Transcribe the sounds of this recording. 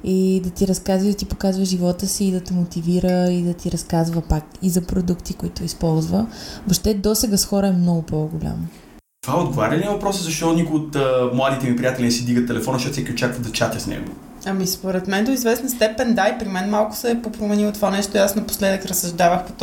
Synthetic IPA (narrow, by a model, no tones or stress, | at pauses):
id̪ɐt̪iɾɐskazid̪ɐt̪ipo̥kazvəʒivɔt̪əsiːd̪ɐt̪ɛmot̪iviɾəid̪ɐt̪iɾɐskazvəpakizɐpɾod̪ukt̪ikoit̪ʊispɔlˠzvəvoʃt̪ɛd̪ɔsɛɡəsxɔɾəɛmnɔɡʊpoɡʊlʲa̰m | t̪ovaɛod̪ɡovaɾʲɐlʲiəvɐpɾɔsɛzɐʃt̪ɔnikʊɪot̪ːmlˠad̪it̪ɛmipɾijat̪ɛlʲinɛsid̪iɡət̪t̪ːɛlɛfɔnɐʃɔt̪sɛkʲiot͡ʃakvəd̪ɐt͡ʃat̪ʲɐsnɛ̰ɡo̰ | ɐmispoɾɛt̪mɛnd̪oizvɛsnɐst̪ɛpɛnd̪aipɾimɛnmalˠkʊ̥sɛpopɾomɛnilˠt̪ovanɛʃt̪oiasnɐpo̥slɛd̪əkɾɐsːɐʒd̪avəxpo̥t̪